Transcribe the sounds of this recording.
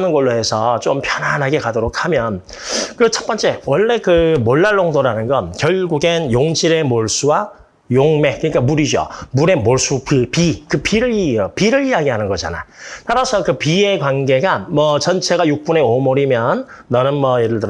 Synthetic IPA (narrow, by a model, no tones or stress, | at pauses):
nɯnɡʌɭːoɦe̞sʰʌt͡ɕompʰjʌnɦanɦaɡe̞kadoɾokʰamjʌn | kɯt͡ɕʰʌp͈ʌnt͡ɕ͈e̞wʌɭːe̞kɯmoɭːaɭːoŋdoɾanɯnɡʌnkjʌɭɡuɡenjoŋd͡ʑʰiɾe̞moɭs͈uwa | joŋme̞k͈ɯɲik͈amuɾid͡ʑo̰muɾe̞moɭs͈upɯpikɯpiɾɯiʌpiɾɯɭiaɡiɦanɯnɡʌd͡ʑa̰na̰taɾasʰʌkɯpie̞kwanɡe̞ɡamʌt͡ɕʌnt͡ɕʰe̞ɡajuk̚p͈une̞omoɾimjʌnː | anɯnmwʌeɾɯɭtɯ